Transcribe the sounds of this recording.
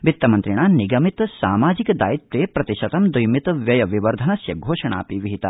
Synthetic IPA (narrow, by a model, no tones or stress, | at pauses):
ʋit̪ːɐmɐnt̪ɾiɳaːniɡɐmit̪saːmaːd͡ʒikɐd̪a̰ːjit̪ʋeːpɾɐt̪iʃɐt̪ɐmd̪ujmit̪ʋjɐjɐʋiʋɐɾd̪ʱɐnɐsjɐɡʱoːʃɐɳa̰ːpiʋiɦit̪ɐ